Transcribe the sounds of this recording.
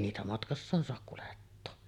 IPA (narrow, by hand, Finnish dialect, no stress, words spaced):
niːtæ mɑtkɑsːɑːn soɑk kuletːoː